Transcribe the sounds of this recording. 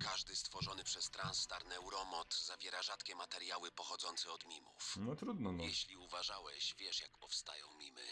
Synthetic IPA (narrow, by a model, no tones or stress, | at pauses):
kaʐd̪ɘst̪fɔʐɔnɘpʂɛst̪ɾanst̪aɾnɛwɾɔmɔt̪zavʲjɛɾaʐat̪kʲɛmat̪ɛɾjawɘpɔxɔd̪zɔnt̪sɛɔd̪mʲimṵfnɔt̪ɾud̪nɔnjɛɕlʲiuvaʐawɛɕvʲjɛʂjakpɔfst̪a̰jɔ̃w̃mʲimɘ̰